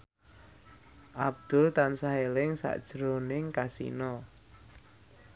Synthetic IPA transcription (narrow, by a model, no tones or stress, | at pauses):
ʔab̚d̪̥ʊlt̪ansaɦelɪŋsa̰ʔd̥ʒ̥ɾonɪŋkasḭnɔ